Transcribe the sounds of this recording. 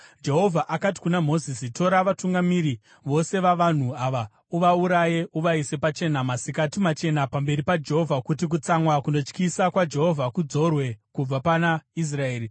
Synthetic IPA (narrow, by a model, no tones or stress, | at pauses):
d͡ʒe̞ɦo̞vʱaʔakat̬i̥kunamo̞zisito̞ɾaʋatuŋɡamiɾi | ʋo̞se̞ʋaʋan̤uaʋa | uʋauɾaje̞ʔuʋaise̞pat͡ʃe̞namasikatimat͡ʃe̞napambe̞ɾipad͡ʒe̞ɦo̞vʱakut̬ik̬ut͡samwakuno̞t͡ʃkisakwad͡ʒe̞ɦo̞vʱakud͡zo̞rwe̞kub͡vapanais̬rae̞ːɾi